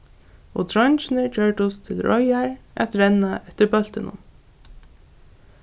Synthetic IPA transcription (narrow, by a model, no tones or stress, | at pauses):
ɔ̰t̪ʰɾɔnt͡ʃɪnɪd͡ʒœːɹʈʊst̪ʰɪlɾʔɔjaɹæ̰t̪ɾɛnːaɛt̪ɪɾbœl̥t̪ɪnʊ̰m